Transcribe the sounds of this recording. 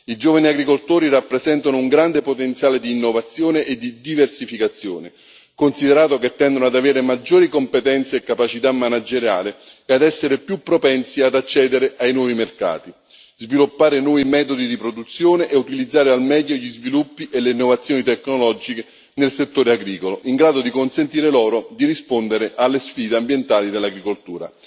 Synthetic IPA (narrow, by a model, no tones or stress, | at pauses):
id͡ʒoːvaniaɡɾikolt̪oːɾirapːɾezɛnt̪anouŋɡɾand̪epot̪ent̪sjaːled̪iːnːovat̪sːjoːneʔed̪ːid̪iversifikat̪sːjo̰ːne | konsid̪eɾaːt̪oket̪ːɛnd̪onoad̪aveːɾemad͡ʒːoːɾikompet̪ɛnt̪seːkːapat͡ʃit̪amːanad͡ʒeɾja̰ːlɪead̪ɛsːeɾepjupːɾopɛnt̪siad̪at͡ʃːɛːd̪eɾeʔajnwɔːvimerka̰ːt̪i | zvilupːaːɾɪnwɔːvimɛːt̪od̪id̪ipɾod̪ut̪sːjoːneʔeut̪ilid̪zːaːɾealmɛʎːoʎizvilupːiʔelːeinːovat̪sːjoːnit̪ɛkːnolɔd͡ʒike | nelset̪ːoːɾeaɡɾiːkoloʔiŋɡɾaːd̪od̪ikonsent̪iːɾelɔːɾod̪iɾispond̪eɾeʔalːesfiːd̪eambjent̪aːlid̪elːaɡɾikolt̪uːɾa̰